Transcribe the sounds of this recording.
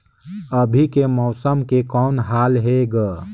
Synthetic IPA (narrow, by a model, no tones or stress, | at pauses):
əbʱikemɔːsəmkekɔːnɦaːlɦeɡ